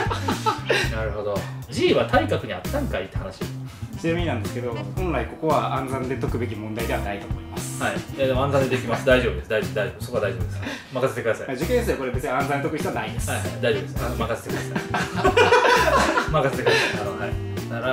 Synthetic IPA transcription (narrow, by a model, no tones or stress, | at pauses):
naɾɯ̟ɦo̞d̪od͡ʑiːβat̪ʰaikakɯ̟ɲ̟iat̪ːãŋkait̪ːehanaɕit͡ɕinamiɲinãnd̪e̞sɨ̥ke̞d̪o̞hõ̞nɾaiko̞ko̞βaʔãnzãnd̪e̞t̪okɯ̟be̞k̬ʲimõnd̪aid̪e̞βanait̪omoimasɨ̥haijad̪emãnzãnd̪ed̪ekʲimasɨd̪aiʑobɯd̪esd̪aiʑod̪aiʑo̞bso̞koad̪aiʑo̞bɯd̪esɨkamakaset̪e̞kɯd̪asa̰jd͡ʑikẽd̪esɨjokoɾebe̞t͡sɨnãnzãnet̪okɯ̟çit̪oanaĩnd̪esɨhaihad̪aiʑobɯ̟desamakaset̪ekɯ̟d̪asa | makaset̪ekɯd̪asaioai | aɾa